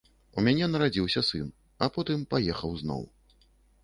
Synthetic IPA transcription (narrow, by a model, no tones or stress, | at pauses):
umʲanʲɛnɐɾad͡zʲiwsʲɐsɨn | ɐpɔt̪ɨmpajɛxɐwznɔ̰w